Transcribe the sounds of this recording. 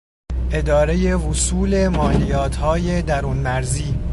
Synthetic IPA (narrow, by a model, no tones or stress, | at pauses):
ʔe̞d̪ɒːɾe̞je̞vusuːle̞mɒːlijɒːt̪ʰhɒːje̞d̪æɾuːnmæɾziː